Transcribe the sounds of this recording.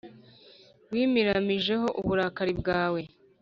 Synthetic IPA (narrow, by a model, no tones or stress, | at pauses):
wiːmiɾamiʒe̞ɦo̞ʔuβuɾakaɾibɡaːwe̞